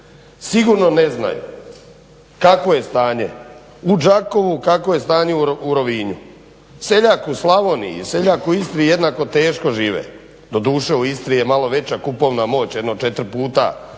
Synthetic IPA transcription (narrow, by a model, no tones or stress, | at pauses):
siɡuːɾno̞nezna̰jṵ | kako̞jest̪aːɲe | ud͡ʒako̞ʋukakoje̞st̪aːɲeuuɾo̞ʋiːɲu | se̞ʎaːkuslˠaʋo̞nḭḭse̞ʎaːkuist̪ɾije̞d̪nako̞t̪e̞ːʃko̞ʒiːʋḛ | d̪o̞d̪uːʃeuist̪ɾije̞malo̞ʋe̞t͡ɕakupo̞ːʋnamo̞ːt͡ɕjed̪not͡ʃe̞t̪ɾpuːt̪a̰